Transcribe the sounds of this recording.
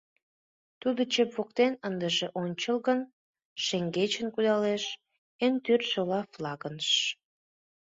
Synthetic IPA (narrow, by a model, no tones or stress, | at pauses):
t̪ud̪ot͡ɕepβokt̪enənd̪əʒeʔonʲt͡ɕəlɣən | ʃeŋɡet͡ɕənkud̪ɑleʃ | ent̪yrsolɑflɑɣənʃ